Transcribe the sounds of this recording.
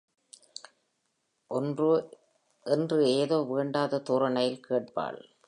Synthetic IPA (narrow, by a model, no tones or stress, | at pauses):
ʔɔndr | ʔɛndrɯeːðoːʋeːɳɖaːðɐt̪uːɾɐɳɐjɪlkʰeːʈ̚pa̰ːɭ